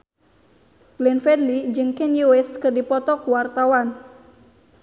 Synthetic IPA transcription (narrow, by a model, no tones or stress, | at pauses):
ɡ̥lɛnfɛdlid͡ʒɨŋkɛnjuɛskɨrdipɔt̪ɔkuwart̪awan